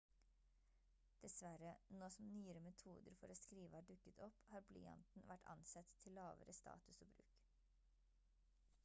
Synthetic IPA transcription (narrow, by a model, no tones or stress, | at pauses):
d̪̥ɛsʋæɾənoːsɔmnyːəɾəmɛt̪ʰṵːd̪əɾfɔɾoːskɾiːʋəhɑːɖʉkːət̪ʰɔphɑːɾblḭːɑ̰nt̪n̩ʋæʈʰɑ̰nsɛt̪ʰːɪlːɑːʋə̰ɾəst̪ɑ̰ːt̪ʉsoːbɾʉ̰ːk